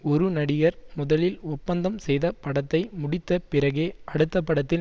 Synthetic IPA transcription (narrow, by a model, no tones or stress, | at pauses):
ɔɾɯnɐɽɪɣɐɾmʊðɐlɪlʊpːɐnd̪ɐmsɛjðɐpːɐɽɐt̪ːɐɪmʊɽɪt̪ːɐpɪɾɐɣeːɐɽɯt̪ːɐpːɐɽɐt̪ːɪ